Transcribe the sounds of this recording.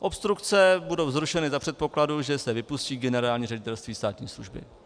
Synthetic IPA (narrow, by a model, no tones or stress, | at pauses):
ʔo̞pst̪ɾukt͡sɛbudo̞wzɾuʃɛnɪzapr̝̥ɛt̪̚po̞kladuʒɛsɛvɪpusciːɡɛnɛɾaːlɲiːrɛɟɪt̪ɛlst̪viːst̪aːt̪ɲḭːsluʒbɪ̰